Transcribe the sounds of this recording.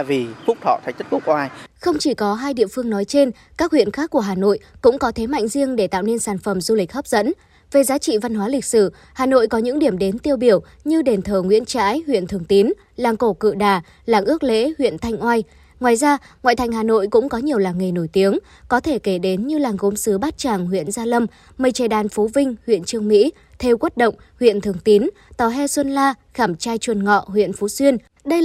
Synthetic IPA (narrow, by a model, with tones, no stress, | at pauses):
vi˨˩fʊ˦˥k͡p̚t̪ʰɔ̰˧˨t̪ʰjt̪̚ʰfu˦˥kʔaː˧jxə˧wŋ͡mt͡ɕi˧˩kɔ˨˦ɦaː˧jɗḭ˧˨əfɨ˧əŋnɔ˨˦jt͡ɕe˧n | kaː˦˥k̚hwḭ˧˨ənxaː˦˥k̚ːu˧˩əɦaː˨˩no̰˧˨jkʊ̰˧˥ŋ͡mkɔ˨˦t̪ʰe˨˦ma̰˧˨jŋ̟zi˧əŋɗe˧˩t̪a̰ː˧˨wne˧nsaː˧˩nfə˨˩mzu˧lï˨˩k̟̚hə˦˥p̚z̥ə̰˧˥n | ve˨˩zaː˨˦t͡ɕḭ˧˨va˧nɦwaː˨˦lï˨˩k̟̚sɨ˧˩ | haː˨˩no̰˧˨jkɔ˨˦ɲɨ̰˧˥ŋɗi˧˩əmɗe˨˦nt̪i˧əwɓi˧˩əw | ɲɨ˧ɗe˨˩nt̪ʰəː˧˩ŋwḭ˧˥ənt͡ɕa̰ː˧˥jhwḭ˧˨ənt̪ʰɨ˨˩əŋt̪i˨˦n | laː˨˩ŋko˧˩kɨ̰˧˨ɗaː˨˩ | laː˨˩ŋʔɨ˦˥ək̚lḛ˧˥hwḭ˧˨ənt̪ʰa˧jŋ̟ʔwa˧j | ŋwaː˨˩jzaː˧ŋwa̰˧˨t̪ʰa˨˩ŋ̟ɦaː˨˩no̰˧˨jkʊ̰˧˥ŋ͡mkɔ˨˦ɲi˨˩əwlaː˨˩ŋə˨˩jno˧˩jt̪i˨˦əŋ | kɔ˨˦t̪ʰe˧˩ke˧˩ɗe˨˦nɲɨ˧laː˨˩ŋɣo˨˦msɨ˨˦ɓaː˦˥t̚t͡ɕaː˨˩ŋɦwḭ˧˨ənzaː˧lə˧m | mə˨˩jt͡ɕa˨˩ɗaː˨˩nfu˨˦vï˧ŋ̟hwḭ˧˨ənt͡ɕɨ˧əŋmḭ˧˥ | t̪ʰe˧wkwt̚ɗə̰˧˨ŋ͡m | hwḭ˧˨ənt̪ʰɨ˨˩əŋt̪i˨˦n | t̪ɔ˨˩ɦɛ˧swə˧nlaː˧xaː˧˩mt͡ɕaː˧jt͡ɕwə˨˩nŋɔ̰˧˨ɦwḭ˧˨ənfu˨˦swi˧ən | ɗə˧